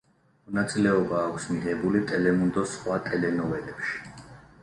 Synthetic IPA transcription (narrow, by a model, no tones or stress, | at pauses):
mɔnat̪sʼilɛɔbaːkʰʷsmiʁɛbulit̪ʼɛlɛmund̪ɔsχwat̪ʼɛlɛnɔvɛlɛpʃi̥